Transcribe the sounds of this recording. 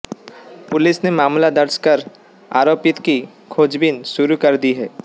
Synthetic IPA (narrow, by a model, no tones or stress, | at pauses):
pʊlɪsnemaːmlad̪əɾskəɾ | a̰ːɾoːpɪt̪ki | kʰoːd͡ʒbɪnʃʊɾukɐɾd̪iɦɛː